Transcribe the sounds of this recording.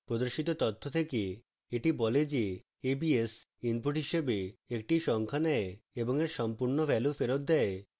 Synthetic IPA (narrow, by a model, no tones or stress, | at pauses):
pɾod̪oɾʃit̪ot̪ɔt̪ʰːot̪ʰeke | eʈibɔled͡ʑe | ebies | inpuʈɦiʃebeek̚ʈiʃɔŋkʰanɛeeboŋeɾʃɔmpuɾnofɛlufeɾot̪̚d̪ɛe